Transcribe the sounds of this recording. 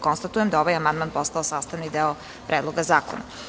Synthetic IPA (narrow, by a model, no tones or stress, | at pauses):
konst̪at̪ujemd̪aoʋajamand̪manpost̪aosaːst̪aʋnid̪eo | pɾʔeːd̪lo̞ɡazaːko̰na̰